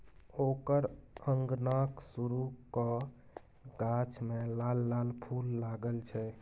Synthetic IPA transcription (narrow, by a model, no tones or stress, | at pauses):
okəɾəŋɡnaksuɾukɔ | ɡat͡ʃʰmelalːalpʰulːaɡəlt͡ʃʰɛ